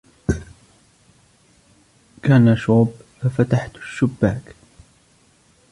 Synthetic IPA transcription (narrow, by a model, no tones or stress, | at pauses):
kaːnaʃuːbfafat̪aħt̪ʃːʊbːaːk